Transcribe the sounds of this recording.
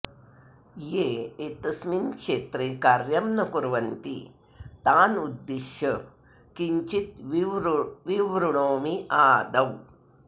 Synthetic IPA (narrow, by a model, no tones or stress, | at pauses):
jeːet̪ɐsminkʂeːt̪ɾekaːɾjɐmnɐkuɾʋɐnt̪i | t̪aːnud̪ːeʃjɐ | kiɲt͡ʃit̪ | ʋiʋɾuɳoːmiaːd̪ɐw